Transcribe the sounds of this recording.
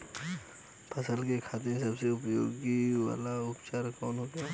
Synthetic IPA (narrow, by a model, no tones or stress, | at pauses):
pʰɐsəlkekʰaːt̪ẽsɐbseʊpjo̰ːɡiwa̰ːlaʊpt͡ʃaːɾkɔːnɦoːɡjaː